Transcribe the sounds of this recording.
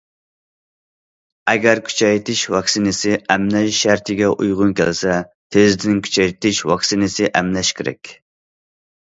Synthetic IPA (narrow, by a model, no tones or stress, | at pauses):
ɛɡʲɛɾkʲʰy̥t͡ʃʰɛjt̪ʰɪʃwɑksinɪsɪɛmnɛʃʃæɾt̪ʰɪɡʲɛʔujʁʊnkʲʰɛ̰lsɛ | t̪ʰezd̪ɪnɪŋkʲʰy̥t͡ʃʰɛjt̪ɪʃwɑksinɪsɪʔɛmlɛʃkʲɪɾɛ̰kʲ